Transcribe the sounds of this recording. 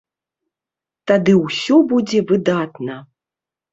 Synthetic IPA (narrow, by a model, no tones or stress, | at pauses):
t̪ad̪ɨwsʲɔbud͡zʲɛvɨd̪at̪nɐ